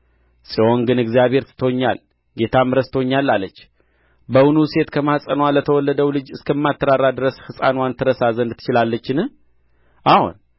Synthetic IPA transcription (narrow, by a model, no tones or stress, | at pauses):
sʼiwo̞ŋɡɨnɨɡzijaβhe̞ɾt̪ʰɨ̥t̪ʰoɲːa̰l | ɡe̞t̪ʰamɨɾəst̪oɲːalːalːət͡ʃː | bəwunuse̞t̪kʰəmasʼənwalət̪ʰəwɔlːəd̪əwlɨd͡ʒɨskʰəmːat̪ʰːəɾarːad̪ɨɾəshɨsʼa̰nwant̪ʰɨɾəsazənd̪t̪ʰɨ̥t͡ʃɪlalːət͡ʃːɪnɨh | ʔahṵn